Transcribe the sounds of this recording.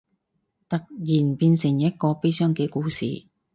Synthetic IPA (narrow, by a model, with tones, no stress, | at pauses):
t̪ɐ˨k̚jiː˨˩npiː˧nsɪ˨˩ŋjɐ˥t̚kɔː˧pe˥jsœː˥ŋkɛː˧kuː˧˥sḭː˨